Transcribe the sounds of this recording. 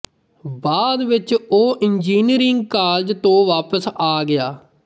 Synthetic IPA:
baːd̪ʋɪt͡ʃoːʔɪnd͡ʒiːniɾɪŋɡ̚kaːld͡ʒt̪õːʋaːpəsaːɡɪjaː

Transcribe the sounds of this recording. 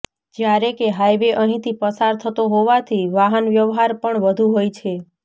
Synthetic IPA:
d͡ʒjaɾekeɦajʋeʔəɦĩt̪ʰipəsaɾt̪ʰət̪oɦoʋat̪ʰiʋaɦənʋjəʋɦaɾpəɳʋəd̪ʱuɦojt͡ʃʰe

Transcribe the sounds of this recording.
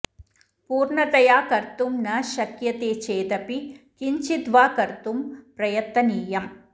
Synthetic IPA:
puːɾɳɐt̪ɐjaːkɐɾt̪umnɐʃɐkjɐt̪eːt͡ʃeːd̪ɐpikiɲt͡ʃid̪ʋaːkɐɾt̪umpɾɐjɐt̪ːɐniːjɐm

